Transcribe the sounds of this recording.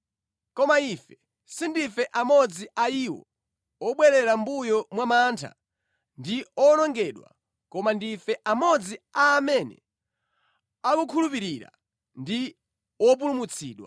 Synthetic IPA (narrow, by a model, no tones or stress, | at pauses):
kɔmaifɛ | sindifɛʔamɔd͡ziʔaiwɔ̰ | ɔɓwɛɾɛɾambujɔmwamantʰa̰ | ndiɔnɔŋɡɛɗwa̰ | kɔmandifɛʔamɔd͡ziaːmɛnɛ̰ | akukʰulupiɾiɾa̰ | ndi | wɔp̬ulumut͡sʰḭːɗwa̰